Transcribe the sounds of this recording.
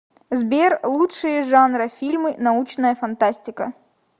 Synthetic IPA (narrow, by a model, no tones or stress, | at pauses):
zbʲerlˠutʂɨjəʐanɾɨfʲilʲmɨnɐut͡ɕnəjəfɐnt̪asʲtʲɪkə